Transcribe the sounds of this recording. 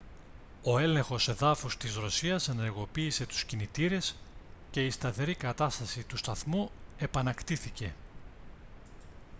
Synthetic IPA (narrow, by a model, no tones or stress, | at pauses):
o̞e̞le̞ŋxo̞se̞ðɐfust̪izɾo̞siɐse̞ne̞ɾɣo̞piːse̞t̪u̥scinit̪iɾe̞sce̞ist̪ɐθe̞ɾikɐt̪ɐst̪ɐsit̪ust̪ɐθmue̞pɐnɐkt̪iθice̞